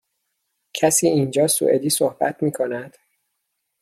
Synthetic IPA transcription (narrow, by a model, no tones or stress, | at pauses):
cʰæsiːiːnd͡ʒɒːsṵʔed̪iːsohb̥æ̰t̪ʰmiːkʰo̞næd̪̥